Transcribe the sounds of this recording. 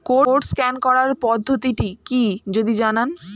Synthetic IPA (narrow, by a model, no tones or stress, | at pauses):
koɾʈskɛnkɔɾaɾpɔd̪ʱːot̪iʈikid͡ʑod̪id͡ʑanan